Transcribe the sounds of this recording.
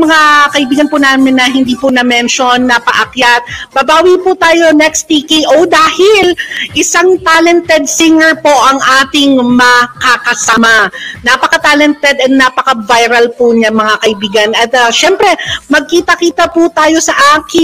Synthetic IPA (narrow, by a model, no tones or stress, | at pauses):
mɐŋakɐʔɪbiːɡɐnpʊnaːmɪnːɐɦɪnd̪iːpʊnɐmɛnʃonːɐpɐʔɐkjat̪̚bɐbaːwipʊt̪aːjo̞nɛkst̪ikiʔowd̪aːhɪlʔɪsaŋt̪aːlɛnt̪ɛd̪̚sɪŋɛɹpo̞ʔɐŋʔaːt̪ɪŋmɐkakɐsamanɐpɐkɐt̪aːlɛnt̪ɛd̪ɐt̪̚napɐkɐvajɾɐlpuɲamɐŋakɐʔɪbiːɡɐnɐt̪ɐʃɛmpɾɛmɐɡ̚kiːt̪ɐkiːt̪ɐpʊt̪aːjo̞sɐʔaːkɪ